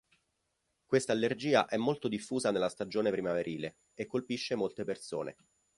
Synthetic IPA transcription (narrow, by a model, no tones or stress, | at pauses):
kwest̪aːlːerd͡ʒiːa̰ʔɛmːolt̪od̪ifːuːzanelːast̪ad͡ʒoːnepɾimaveɾʔiːle | ekːolpiʃːemolt̪eperso̰ːnḛ